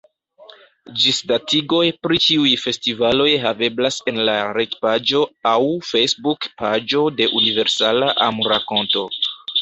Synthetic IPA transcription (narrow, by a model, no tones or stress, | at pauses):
d͡ʒisdatiɡo̞jpɾit͡ʃiujfe̞stivalo̞jɦave̞blase̞nlaɾekpad͡ʒo̞awfejsbukpad͡ʒo̞de̞ʔunive̞ɾsalaʔamuɾako̞nto̞